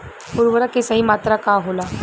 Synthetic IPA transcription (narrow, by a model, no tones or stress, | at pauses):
puɾʋəɾakesaɦiːmat̪ɾakaɦola